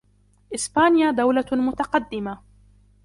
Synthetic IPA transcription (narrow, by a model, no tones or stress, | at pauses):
ʔɪsbaːnɪjad̪awlamʊt̪ɑqɑd̪ːɪma